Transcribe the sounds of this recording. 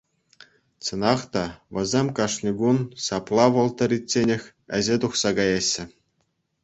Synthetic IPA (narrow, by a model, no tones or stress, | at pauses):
t͡sɤ̆nɑχt̪ɑʋʲɘ̆zʲemʲkɑʂnʲiɡunsɑplˠɑʋɤ̆lˠt̪ɤ̆ɾʲitʲːenʲɘ̆xʲ | ɘ̆ʑʲet̪uχsɑɡɑjɑɕːɘ̆